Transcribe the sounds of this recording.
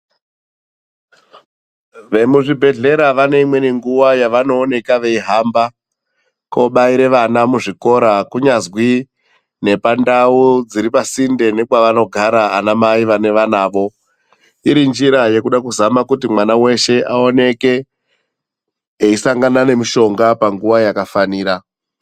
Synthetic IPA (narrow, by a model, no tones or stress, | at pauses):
ʋe̞muʐibʱe̞ɮe̞ɾaʋane̞imwe̞niŋɡuʋajaʋano̞ːne̞kaʋe̞iɦamba | ko̞ɓaiɾe̞ʋanamuʐiko̞ɾakuɲazwi | ne̞pandaud͡ziɾipasinde̞ne̞kwaʋano̞ɡʱaɾaːnamaiʋane̞ʋanaːʋo̞ | iɾind͡ʒiɾaje̞kuɗakuzamakutimwanawe̞ʃe̞ʔao̞ne̞ke̞ | eisaŋɡanane̞miʃo̞ŋɡapaŋɡuʋajakafaniːɾa